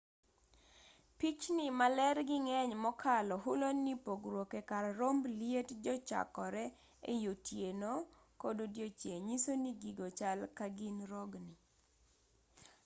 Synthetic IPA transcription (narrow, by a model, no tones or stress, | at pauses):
pit͡ʃnɪmalɛrɡɪŋɛɲmɔkʰalɔɦʊlonipoɡɾwokekaɾɾomblietd͡ʒɔt͡ʃa̰kɔɾɛ | ḛjotjeno | kododjot͡ʃeɲisoniɡiɡot͡ʃalkaɡɪnɾɔɡni